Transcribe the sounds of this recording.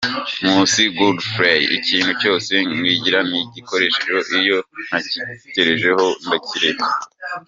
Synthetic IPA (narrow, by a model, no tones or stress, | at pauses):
muːnsiɡudfɾejḭciːn̥huco̞ːse̞ŋiɟiɾaniɟiko̞ɾe̞ʃeʒoʔijo̞n̥haciteɾeʒe̞ho̞ndaciɾemae